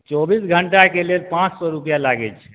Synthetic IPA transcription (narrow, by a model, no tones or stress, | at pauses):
t͡ʃɔbisɡʱəɳʈakelelpãt͡ʃsɔɾupjalaɡɛ̰t͡ʃʰɛ